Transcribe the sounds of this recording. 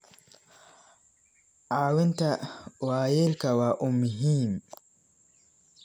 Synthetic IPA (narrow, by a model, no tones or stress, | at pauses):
ʔawɛntawajɛlkawaʔumːuɦiːm